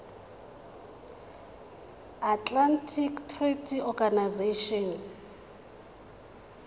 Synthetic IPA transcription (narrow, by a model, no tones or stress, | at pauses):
atlantʰiktʰritʰiɔɡanajzeʃɔn